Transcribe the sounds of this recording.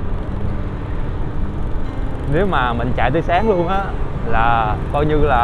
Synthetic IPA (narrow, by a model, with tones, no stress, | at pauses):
ne˨˦wmaː˨˩mï˨˩ŋ̟t͡ɕa̰ː˧˨t̪əː˨˧˦jsaː˨˦ŋlu˧ənʔaː˨˦laː˨˩kɔ˧jɲɨ˧laː˨˩